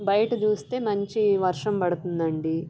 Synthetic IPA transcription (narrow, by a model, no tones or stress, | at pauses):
bɐjɐʈɐt͡ʃuːst̪e̞ːmɐɲt͡ʃiʋɐɾʂɐmpɐɽut̪und̪ɐɳɖi